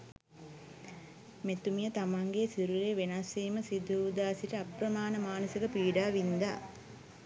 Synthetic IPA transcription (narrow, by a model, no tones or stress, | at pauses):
met̪umijət̪amaŋɡeːsiɾuɾeːʋenasiːməsid̪ʱuːd̪aːsiʈəɐpɾɐmaːnəmaːnɐsikəpiːɖaːʋind̪aː